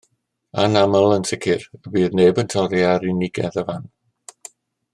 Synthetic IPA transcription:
anaməlˠənsʰɪkʰɪrəbiːðneːbəntʰɔɾjaɾɪnɪɡɛ̰ðəvan

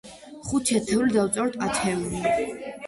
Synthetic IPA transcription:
χut̪ʰɛt̪ʰɛvlid̪awt̪sʼɛɾɔt̪ʰʼat̪ʰɛuli

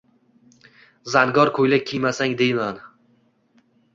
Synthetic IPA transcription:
zanɡɒɾkʰojlakʲʰijmasaŋd̪e̞jman

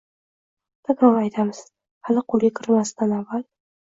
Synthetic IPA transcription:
t̪ʰaɡawajt̪ʰamɨz | halɪqʰʊlˠɡʲakʲʰɪɾmast̪ʰanavːal

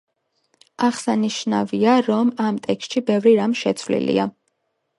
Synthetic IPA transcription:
aχsaniʃna̰viaɾɔmamt̪ʼɛkst̪ʃibɛvɾiɾamʃɛt̪sʰvlḭlḭa

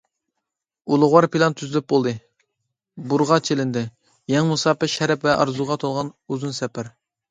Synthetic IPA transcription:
ulˠʊʁwɑɾpʰilˠɑnt̪ʰyzɪlɪp̚bolˠd̪ɨ | buɾʁɑt͡ʃʰelɪnd̪ɪ | jɛŋmusɑːpɪʃɛɾɛpvɛʔɑ̰ɾzuʁɑt̪ʰolˠʁɑnuzunsɛpʰæɾ

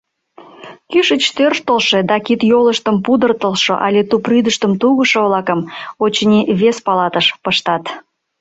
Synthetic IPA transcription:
kyʃət͡ɕt̪ørʃt̪əlʃed̪ɑkit̪joləʃt̪əmpud̪ərt̪əlˠʃoʔɑ̰lʲet̪upryd̪əʃt̪əmt̪uɣəʃoβlɑkəmot͡ɕnʲiβespɑlɑt̪əʃpəʃt̪ɑt̪

